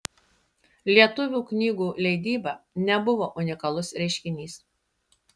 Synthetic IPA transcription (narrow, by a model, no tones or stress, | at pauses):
lʲiɛt̪ʊʋʲuːknʲiːɡuːlʲɛɪd̪ʲiːbɐnʲɛbʊʋoːʔʊnʲɪkɐlˠʊsɾʲɛɪʃʲkʲɪnʲiːs